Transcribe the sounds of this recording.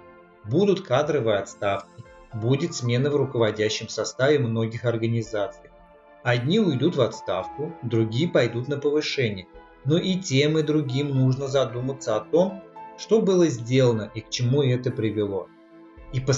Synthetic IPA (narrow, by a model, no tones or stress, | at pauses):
bud̪ʊt̪kad̪ɾəvɨjɐt̪st̪afkʲɪ | budʲɪt̪smʲe̞nəvɾʊkəvɐdʲæɕːɪmsɐst̪avʲɪmno̞ɡʲɪxɐrɡənʲɪzat̪sɨj | ɐd̪ʲnʲiʊjd̪ut̪vɐt̪st̪afkʊd̪ɾʊɡʲijəpɐjd̪ut̪nəpəvɨʂɛnʲɪjə | noʔitʲe̞mɨd̪ɾʊɡʲimnuʐnəzɐd̪umət̪səɐt̪o̞mʂt̪o̞bɨlˠəzʲdʲe̞lˠənəʔikt͡ɕɪmuɛt̪əpɾʲɪvʲɪlˠo̞ | ipə